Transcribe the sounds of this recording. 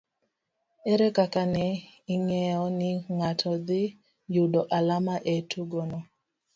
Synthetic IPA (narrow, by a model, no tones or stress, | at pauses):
ɛɾɛkakanɛɪŋɛɔnɪŋatʰɔd̪ɪ | judɔʔalamaʔetʰuɡonɔ